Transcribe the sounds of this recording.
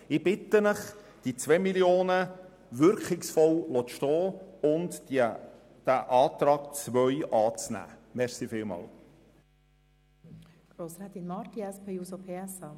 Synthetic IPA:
ɪb̥ɪt̪ənəχ | d̥it͡svɛmiljoːnə | ʋʏɾkχɪksfɔwlɔtʃtɔːʊndi | d̥æʔɑːt̪ɾɑːkt͡sʋœʏʔɑːt͡snæ̰ːmɛɾsifɪːlmɑ̰ːl | ɡ̥ɾoːsɾɛːd̪inmɑɾt̪iɛspʰejuːsopʰeːɛsɑ

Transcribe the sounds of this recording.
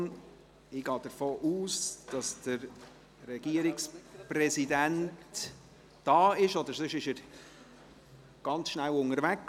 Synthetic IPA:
ɪɡ̥ɑːd̥̪əɾfoːʔuːsd̥ɑsd̥əɾ | rɛɡ̥iəɾɪksprɛsidænt | d̥ɑːɪʃɔd̪əɾsʏʃɪʃəɾ | ɡ̥ɑnt͡sʃnæwʊŋəɾvæk

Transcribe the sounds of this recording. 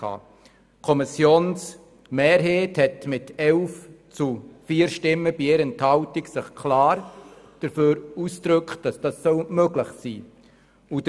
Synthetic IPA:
ɑ̰ː | kʰɔmisjoːns | meːɾɦeːthɛtmɪtɛlft͡sufiːɾʃtɪmːəb̥ieɾənthɑʊtiksɪχkʰlaːɾd̥əɾføːɾuːsd̥ɾʏkt̚d̥ɑsd̥ɑsːœlmøɡlɪχsiː | ud̥ə

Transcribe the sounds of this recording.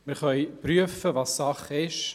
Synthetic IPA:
mɪχœʏpryəfəvɑːsːɑχɪʃ

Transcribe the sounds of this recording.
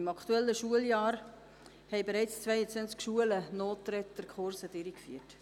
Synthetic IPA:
ɪmɑkʰtuɛlːəʃuəljɑːɾ | hɛɪbeɾɛɪt͡st͡sʋvɛɪət͡sʋɛnt͡skʃuələnoːtɾɛtəɾkʰχʊɾsəd̥ɪɾikfyət

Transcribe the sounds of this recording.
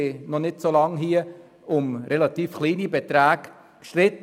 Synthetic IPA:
ɪnɔnɪtsolɑŋɦiə | ʊmɾʔɛlɑt̪iːfχliːnibɛt̪ɾæːɡ | kʃtɾɪt̪

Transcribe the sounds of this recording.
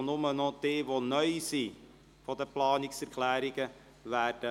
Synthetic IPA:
nʊmənɔdeːvonœjsi | fɔdəplɑːniksərklæːɾiɡə | værdə

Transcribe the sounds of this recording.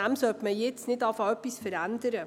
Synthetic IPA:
æmsœltməjɛt͡snɪtɑfɑœpisfəɾændəɾə

